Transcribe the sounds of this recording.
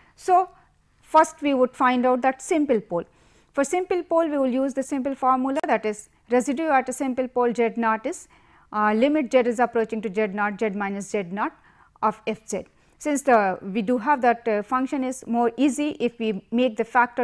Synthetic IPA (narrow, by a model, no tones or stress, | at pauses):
soː | fʌɾsʈʋiːʋʊɖfãɪ̃ɳɖaʊʈ̚d̪æʈsɪ̃mpɪlpoːl | fɔɾsɪ̃mpəlpoːlʋiːʋɪljuːzd̪əsɪ̃mpəlfɔːɾmjulad̪æʈɪz | ɾɛzɪɖjuæʈəsɪ̃mpəlpoːld͡ʒɛɖnɔːʈɪs | lɪmɪʈ̚d͡ʒɛɖɪzəpɾoːt͡ʃɪ̃ŋʈud͡ʒɛɖnɔːʈ̚d͡ʒɛɖmãɪ̃nəsd͡ʒɛɖ̚nɔːʈ | ɔːfɛfd͡ʒɛɖ | sɪ̃nsʋiːɖuɦæʋd̪æʈfʌ̃ŋkʃə̃nɪzmoːɾiːziʔɪfʋiːmeːk̚d̪əfæk̚ʈə